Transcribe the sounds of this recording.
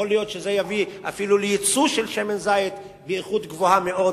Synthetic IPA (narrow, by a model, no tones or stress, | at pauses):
olijo̞t̪ʃeze̞javiafilulejit͡suʃelʃemenzajit̪ | beiχut̪ɡvohameo̞